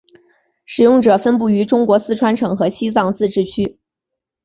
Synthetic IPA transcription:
ʂɻ̩˨˩jʊ˥˩ŋʈ͡ʂɤ˨˩fə˥np̬u˥˩y˧˥ʈ͡ʂʊ˥ŋkwɔ˧˥sɹ̩˥ʈ͡ʂʰwa˥nʈ͡ʂʰɤ˨˧˥ŋxɤ˧˥ɕi˥sɑ˥˧ŋt͡sɹ̩˥˧ʈ͡ʂɻ̩˥˩t͡ɕʰy˥

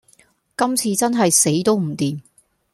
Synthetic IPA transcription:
kɐ˥mt͡sʰiː˧t͡sɐ˥nɦɐ˨jse˨˥jt̪o˥wm̩˨˩t̪iː˨n

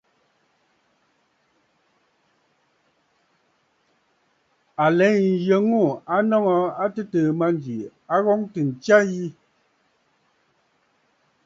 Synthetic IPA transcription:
a˨lɛ˨˦n̩˨jə˨˦ŋu˦˨a˦nɔ˦ŋɔ˨a˦tɨ˦təː˨ma˦n˨d͡ʒi˨a˦ɣɔ˦ŋtɨ˨n̩˨t͡ʃja˦ji˦

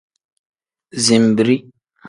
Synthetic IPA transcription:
zi˨m˨bi˨ɾi˦

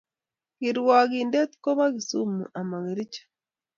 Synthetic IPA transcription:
ɣiɾwa˨ɣiːnde˦t̪i̥ko˦βa˦ɣi˨su˦mṵ˨ʔa˨ma˨ɣi˨ɾi˦cḁ

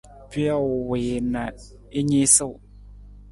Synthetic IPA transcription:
pi˦a˦˨wwe˨na˨ | i˦ɲe˦sɨ˦˨w

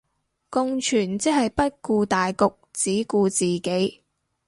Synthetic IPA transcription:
kʊ˧ŋt͡ʃʰyː˨˩nt͡sɛ˥hɐ˨jpɐ˥t̚kuː˧t̪aː˨jkʊ˨k̚t͡siː˨˥kuː˧t͡siː˨ke˨˥j

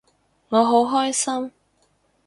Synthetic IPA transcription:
ŋɔː˨˧ɦo˨˥wɦɔː˥jsɐ˥m

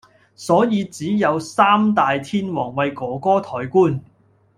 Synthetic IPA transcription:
sɔː˨˥jiː˨˧t͡siː˨˥jɐ˨˧wsaː˥mt̪aː˨jt̪ʰiː˥nwɔː˨˩ŋwɐ˨˧jkɔː˨˥kɔː˥t̪ʰɔː˨˩jkuː˥n

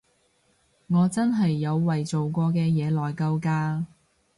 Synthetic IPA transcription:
ŋɔː˨˧t͡sɐ˥nɦɐ˨jːɐ˨˧wːɐ˨jt͡so˨wkʷɔː˧kɛː˧jɛː˨˧lɔː˨˩jkɐ˧wkaː˧

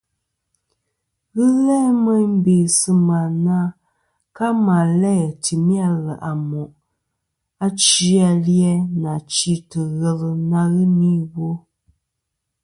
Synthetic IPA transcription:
ɣɨ˦ɣɛ˦mə˦m̩˦be˨sɨ˦ma˨na˦ | ka˦ma˨lɛ˦˨ti˨mja˦˨ɣə˨ʔa˨mɔ˨ʔ | a˦t͡ʃi˦a˨ljɛ˦na˨t͡ʃi˦tə˨ɣə˦˨lɨ˦na˦ɣɨ˦ni˦wo˦

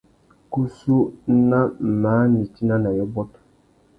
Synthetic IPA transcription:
ku˦su˦n̩˦na˦m̩˨maː˨˦ni˨ti˦na˦na˨jɔ˦bɔ˦tʊ̥˨

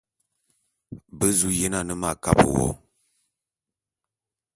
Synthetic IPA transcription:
bə˦zu˦jɛ˦na˨nə˦ma˦˨ka˦pə̰˨wɔ̰˨˦

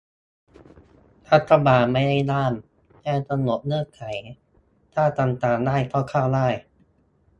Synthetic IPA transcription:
t̪ʰa˧˦˥t̪̚ɾa˧baː˨˩t̚ma˥˩jda˥˩jnaː˥˩m | t͡ɕɛː˥˩ŋt̪a˧no˨˩˦p̚nɯ˥˩əkʰa˨˩˦j | t̪ʰaː˥˩t̪a˧mt̪aː˨˩ŋdaː˥˩jkʰaː˥˩wkʰaː˥˩wdaː˥˩j

